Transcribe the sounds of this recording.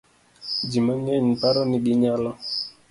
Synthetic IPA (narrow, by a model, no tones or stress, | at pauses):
d͡ʒimaɲɛɲipaɾɔniɗiɲalɔ